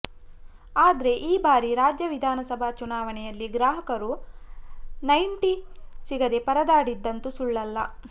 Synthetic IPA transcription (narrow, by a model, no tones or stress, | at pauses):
aːd̪ɐɾe̞ʔiːbaːɾiɾaːd͡ʒjɐʋid̪ʱaːnɐsɐbʱat͡ʃunaːʋɐnɛjɐlːiɡɾaːɦɐkɐɾu | nɐjɳʈisiɡɐd̪e̞pɐɾɐd̪aːɽid̪ːɐnt̪usuɭːɐlːɐ̰